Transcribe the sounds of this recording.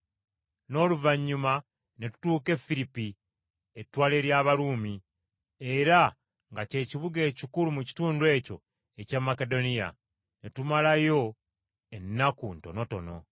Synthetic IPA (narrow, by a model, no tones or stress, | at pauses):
no̞luvaɲːuma | netu̥tuːke̞filipi | etːwaːle̞ɾjaːβaluːmi | e̞ɾa | ŋɡace̞ːciβuɡe̞ːcikulumuci̥tuːndwe̞ːco̞̰ | ecamːake̞do̞nija̰ | netumalajo̞ | e̞nːakuntono̞to̞̰no̞̰